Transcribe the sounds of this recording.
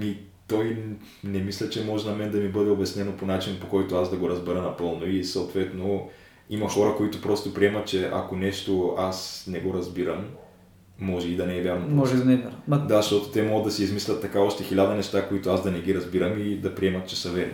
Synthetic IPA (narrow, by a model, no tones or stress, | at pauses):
mi | t̪ɔj | nɛmislʲɐt͡ʃɛmɔʒɛnɐmɛnd̪ɐmibɤd̪ɛobɛsnɛnoponat͡ʃinpokɔjt̪oazd̪ɐɡoɾɐzbɛɾənɐpɤlˠnoisoʊt̪vɛt̪no | imɐxɔɾɐkoit̪ʊpɾɔst̪opɾiɛmɐt̪̚t͡ʃɛʔɐ̰konɛʃt̪oasnɛɡoɾɐzbiɾəmː | ɔʒɛid̪ɐnɛːvʲjaɾnɐmɔʒɛd̪ɐnɛɾd̪aʃt̪ɔt̪o̥t̪ɛmɔɡəd̪ɐsiizmislʲɐt̪ːɐkaɔʃt̪ɛxilʲad̪ɐnɛʃt̪akoit̪oazd̪ɐnɛɡ̟iɾɐzbiɾəmid̪ɐpɾiɛmɐt̪t͡ʃɛsɐvɛɾḭ